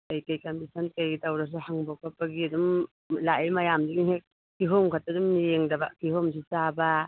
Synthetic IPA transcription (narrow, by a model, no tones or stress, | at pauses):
kajkajkamisʰankajɡitawɾas̬uhaŋbokʰapːaɡiadum | laimajamdiɡiŋek̚ː | iɦomkʰatadummijeŋdabakihoms̬it͡ʃaba